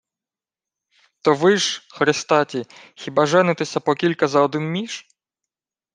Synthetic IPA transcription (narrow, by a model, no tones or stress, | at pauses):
t̪ɔʋɪʒxɾɪst̪ɑtʲixʲibɑʒɛnɪt̪esʲɐpɔkʲilʲkɐzɐɔd̪ɪnmʲiʃ